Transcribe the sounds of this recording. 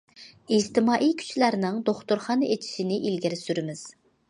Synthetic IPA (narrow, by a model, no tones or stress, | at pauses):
id͡ʒt̪ɪmɑːʔijkʲʰy̥t͡ʃʰlæɾnɪŋd̪oχt̪ʊɾχɑnɨʔet͡ʃʰi̥ʃinɪʔilɡʲɪɾɪsyɾɪmɪz̥